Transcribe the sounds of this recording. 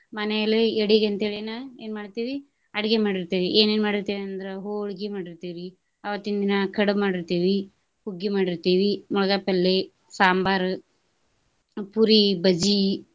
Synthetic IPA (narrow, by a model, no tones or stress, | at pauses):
mɐnɛjɐlːeeɽiɡeɐnt̪ɐeɭenɐeːnmaːɽt̪iːʋi | ɐɽiɡemaːɽiɾt̪iːʋiʔeːneːnmaːɽiɾt̪iːʋiɐnd̪ɐɾeɦoːɭɡimaːɽiɾt̪iːʋi | ɐʋɐt̪ːind̪inɐkɐɽɐmaːɽiɾt̪iːʋi | huɡːimaːɽiɾt̪iːʋimɔɭɐɡapɛlːe | saːmbaːɾ | puɾibɐd͡ʒi